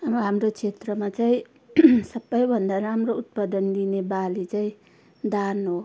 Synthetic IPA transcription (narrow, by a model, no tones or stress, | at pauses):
amɦamɾot͡sʰet̪rʌmat͡saĩ | sʌbːʌjbʱʌnd̪aɾamrout̪̚pʌd̪ʌnd̪inebalit͡saĩ | d̪anɦo